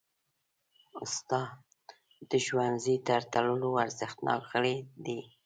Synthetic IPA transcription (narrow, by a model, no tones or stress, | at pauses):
ʊst̪ɑ | d̪̥əʒwanzit̪aɾt̪aləloaɾzəxt̪nʔɑ̰kxəɽed̪e